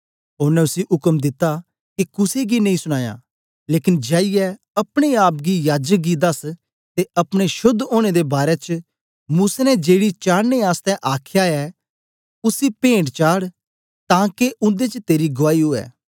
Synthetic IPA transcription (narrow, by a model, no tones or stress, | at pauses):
oːɾnɛ̃ʊsiʔʊkəmd̪ɪt̪ːa | kikʊseɡinɐɦĩsʊɽ̃aːja̰ː | leːkɪnd͡ʒaːɪjɛ | ɐpɽ̃eaːp̚ɡijaːd͡ʒək̚ɡid̪ɐs | t̪eɐpɽ̃eʃʊd̪ːoːɽ̃ed̪ebaːɾɛt͡ʃ | muːsaːnɛd͡ʒeːɽit͡ʃaːɽneaːst̪ɛʔaːkʰjaɛː | ʊsipẽːɳɖt͡ʃaːɽ | t̪ãːkeʊ̃nd̪et͡ʃət̪eːɾiɡʊʋaːiɦoːɛ̰ː